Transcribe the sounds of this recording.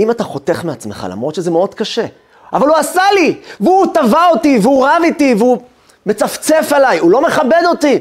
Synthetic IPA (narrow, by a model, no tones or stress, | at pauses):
imataχo̞teχmeat͡smeχa̰la̰mʁo̞t̪ʃezemeo̞d̪kaʃe̞ | avaluasaliveut̪avaotiveuʁavitiveu | me̞t͡saft͡se̞falajulo̞me̞χabe̞d̪o̞ti